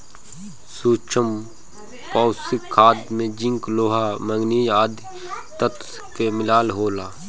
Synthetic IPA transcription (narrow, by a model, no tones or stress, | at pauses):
suːt͡ʃʰəm | paːsɪkʰːaːd̪mẽd͡ʒɪ̃ŋkloːɦaməŋɡniːjaːd̪ʱi | t̪ət̪ | kemɪlaːlɦoːlaː